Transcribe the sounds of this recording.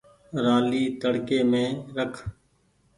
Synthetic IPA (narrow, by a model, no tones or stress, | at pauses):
ɾaːliːt̪əɽkeːmẽːɾəkʰ